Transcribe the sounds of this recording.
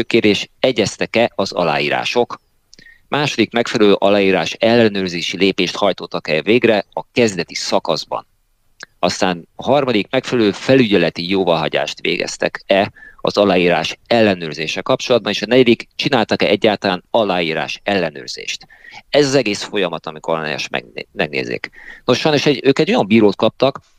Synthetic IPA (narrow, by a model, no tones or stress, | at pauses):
økeːrɾeːʃɛɟɛst̪ɛkɛɒzɒ̰la̰ːjiːɾa̰ːʃo̞k | mʔaːʃo̞d̪ikmɛkfɛlɛløːʔɒlaːjiːɾaːʃɛlːɛnøːrzeːʃileːpeːʃt̪hɒjt̪ot̪ːɒkɛveːɡrɛɒkɛzd̪ɛt̪isɒkɒzbɒ̰n | ɒst̪aːnɒɦɒrmɒd̪ikmɛkfɛlɛløːfɛlyɟɛlɛt̪ijoːvɒlɦɒɟa̰ːʃt̪ʋḛːɡɛ̰st̪ɛ̰kɛɒ̰zɒlaːjiːɾa̰ːʃɛlːɛnøːrzeːʃɛlkɒp̚t͡ʃo̞lɒd̪̚bɒneːʃɒnɛɟɛd̪ikt͡ʃinaːlt̪ɒkɛ̰ʔɛɟːaːt̪ɒlaːnɒlaːjiːɾa̰ːʃɛlːɛnø̰ːrz̥ḛːʃt̪ | ɛzɒzɛɡeːsfo̞jɒmɒt̪ɒmikorn̰ɛ̰ʃmɛ̰mɛɡ̚nḛːzḛːkno̞ʃːɔjno̞ʃɛɟøːkɛɟːo̞jɒmbiːɾoːt̪̚kɒp̚t̪ɒk